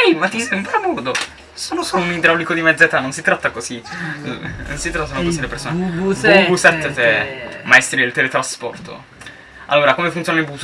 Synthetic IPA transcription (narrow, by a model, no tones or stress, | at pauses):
ɛmat̪ːisɛmpɾamurd̪o | soːnosounid̪ɾalːikod̪imɛd̪zːet̪anːonsit̪ɾat̪ːakoz̥i | no̰nsit̪ɾat̪ːanõkozid̪elepersoːnubusɛt̪ːet̪ɛmaest̪ɾid̪elt̪elet̪ɾaspɔ̰rt̪o̰ | a̰lːoːɾakomefunt̪joːnilbu